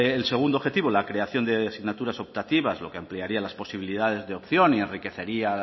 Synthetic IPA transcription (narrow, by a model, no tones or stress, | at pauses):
else̞ɣ̞und̪oxe̞t̪iβolakɾe̞aθjo̞nd̪easiɣnat̪uɾaso̞p̚t̪at̪iβazlo̞̰keampliaɾialaspo̞siβ̞ilið̞að̞e̞zðeopθjo̞nie̞nrike̞θe̞ɾia